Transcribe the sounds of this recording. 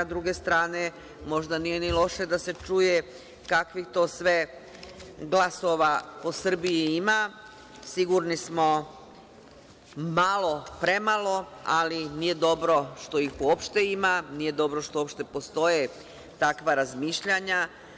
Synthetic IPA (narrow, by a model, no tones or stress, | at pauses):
d̪ɾuɡe̞st̪ɾaːne̞ | mo̞ʒd̪anije̞nilo̞ʃe̞d̪ase̞t͡ʃuje | kakʋixt̪o̞ːsʋe̞ | ɡlˠaso̞ʋapo̞sr̩bijiima | siɡuɾnismo̞ | malˠo̞pɾe̞malˠo̞alinije̞d̪o̞bɾo̞ʃt̪o̞ixpuopʃt̪eimanije̞d̪o̞bɾo̞ʃt̪oopʃt̪e̞po̞st̪o̞je | t̪akʋaɾazmiːʃʎaɲa